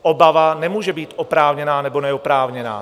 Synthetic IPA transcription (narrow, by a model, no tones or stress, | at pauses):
ɔbaʋanɛmʊːʒɛbiːɟɔpɾaːʊɲɛnaːnɛbɔnɛɔpɾaːʊɲɛna̰ː